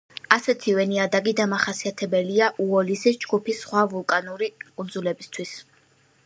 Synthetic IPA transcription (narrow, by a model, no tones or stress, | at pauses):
asɛt̪ʰivɛniad̪aɡid̪amaχasiat̪ʰɛbɛliaʔuɔlisisd͡ʒɡupʰisːχwavulˠkʼanuɾikʼund̪zulɛbist̪ʰwis